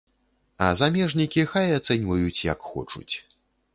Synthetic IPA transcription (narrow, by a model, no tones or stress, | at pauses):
ɐ̰zamʲɛʐnʲikʲixajat̪sɛnʲvɐjut͡sʲjɐ̰kxɔ̰t͡ʂṵt͡sʲ